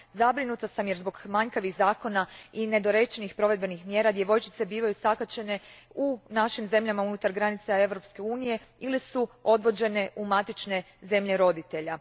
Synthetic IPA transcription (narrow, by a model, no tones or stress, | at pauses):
zabɾinut̪asamjezbo̞ɡmaɲkaʋixzaːko̞naine̞d̪oɾet͡ʃenixpɾo̞ʋe̞d̪be̞nixmje̞ːɾad̪jeʋo̞jt͡ʃi̥t̪se̞biːʋajusakat͡ʃe̞ne̞unaʃimze̞mʎamaunut̪aɾɡɾanit̪sae̞ʋɾo̞pske̞uːnije̞ilisuo̞d̪ʋo̞d͡ʑe̞ne̞ʔumat̪it͡ʃne̞ | ze̞mʎeɾo̞d̪it̪e̞ʎa